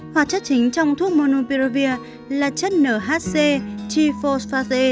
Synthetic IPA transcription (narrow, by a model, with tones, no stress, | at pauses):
hwaː˨˧˩t̚t͡ɕə˦˥k̚t͡ɕï˨˦ŋ̟t͡ɕɔ˧wŋ͡mt̪ʰu˦˥ək̚mo˧no˧pi˧˩o˧vi˧ə | laː˨˩t͡ɕə˦˥t̚nəː˧˩ɦaː˦˥t̚se˧t͡ɕi˧fo˧sfaː˧ze˧